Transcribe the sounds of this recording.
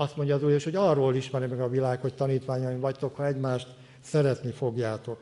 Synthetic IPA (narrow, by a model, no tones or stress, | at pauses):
ɒst̪mo̞ɲɟɒːzuːleːʃho̞ɟɒrːoːliʃmɛɾimɛɡɒvilaːkho̞c̚t̪ɒniːt̪ʋaːɲɒjiɱvɒct̪o̞khɒɛɟmaːʃt̪ | sɛɾɛt̪nifo̞ɡjaːt̪o̞k